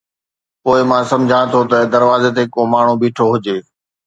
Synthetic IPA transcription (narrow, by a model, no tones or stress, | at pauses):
poːɪmãːsɐ̃md͡ʑʱãɽ̃t̪ʰot̪ɐd̪ɐɾʋaːzet̪̬eɦkomaːɳ̤ubiːʈʰoɦʊd͡ʑeː